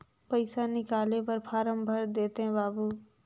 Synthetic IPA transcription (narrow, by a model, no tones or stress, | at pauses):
pɐɪsanɪkaːlepɐɾpʰaːɾə̃mbʱəɾd̪eːt̪eɦɛ̃baːbuː